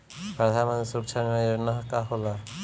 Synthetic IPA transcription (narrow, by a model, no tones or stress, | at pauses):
pad̪ʱamansukt͡ʃʰanaɔnaɦakaɦɔla